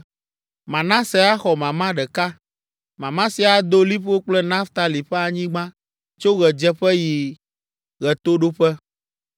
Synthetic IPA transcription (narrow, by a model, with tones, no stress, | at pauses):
mã˨nã˦sɛ˨a˦xɔ˨mã˨mã˦ɖɛ˨ka˦ | mã˨mã˦si˨˦a˨d̪o˦li˦ɸo˦k͡plɛ˦nã˦ft̪a˨li˨ɸɛ˦a˨ɲĩ˦ɡ͡bã˦ | t͡ʃo˦ɣɛ˨d͡ʒɛ˦ɸɛ˦ji˨ | ɣɛ˨t̪o˦ɖo˦ɸɛ˦